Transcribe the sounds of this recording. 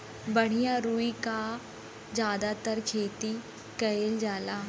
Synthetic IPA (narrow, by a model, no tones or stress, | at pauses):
bɐɽ̤ijaɾuːika | d͡ʒjaːd̪at̪əɾkʰeːt̪i | kɐeld͡ʒaːlaː